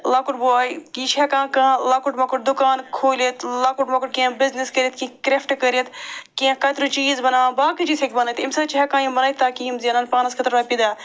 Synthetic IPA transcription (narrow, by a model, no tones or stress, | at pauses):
laːkuʈbuaːjkit͡ʃʰɛkãːkãlaːkuʈmɐkuʈ̚d̪ʊkaːnkʰoːlet̪ʰlaːkuʈmɐkuʈ̚kiãbɪzniskəɾʲit̪̚kĩkɾefʈkəɾet̪kiãkɐt̪ɾut͡ʃiːzbɐnaːbaːkit͡ʃiːsʰekbɐnɐt̪imsɐt͡ʃɦɛkãːjĩbɐnaːt̪t̪ːaːkiːmziɐnɐːnpaːnɐskʰɐt̪ɾaːpid̪aː